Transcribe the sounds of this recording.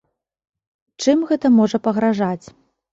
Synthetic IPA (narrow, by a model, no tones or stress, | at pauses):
t͡ʂɨmɣɛt̪ɐmɔʐɐpɐɣɾaʐat͡sʲ